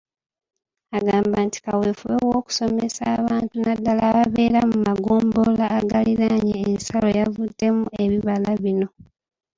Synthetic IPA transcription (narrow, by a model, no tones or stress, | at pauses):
aɡaːmbaːnti̥kaweːfuβewoːku̥so̞me̞saːβaːntunadːalaːβaβe̞ːɾamumaɡoːmbolaːɡaliɾaɲeːnsalo̞javudːe̞mue̞βiβalaβino̞